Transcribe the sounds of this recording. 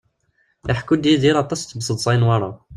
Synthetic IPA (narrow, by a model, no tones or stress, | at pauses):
ʔaħkud̪jæd̪iɾɑt̪ˤːɑst̪ːəbsˤət̪ˤsˤɑjnwɑɾˤɑ